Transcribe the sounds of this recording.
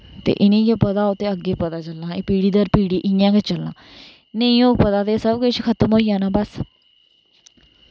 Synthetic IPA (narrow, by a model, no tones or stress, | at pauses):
t̪ḛːʔɪnĩːɡeːpəd̪aːoːt̪eːəɡeːpət̪aːt͡ʃəlnãːeːpiːɽiːd̪əɾpiːɽiːʔɪjãːɡet͡ʃəlːã̰ː | nẽĩõːkpət̪aːd̪eːsəbkʊt͡ʃkʰət̪əmɦoːijãːnãːbəs